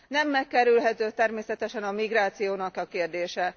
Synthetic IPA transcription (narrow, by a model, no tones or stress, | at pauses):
nɛmːɛkːɛɾylɦɛt̪øːt̪ɛrmeːsɛt̪ɛʃɛnɒmiɡraːt̪sijoːnɒkɒkeːrd̪eːʃɛ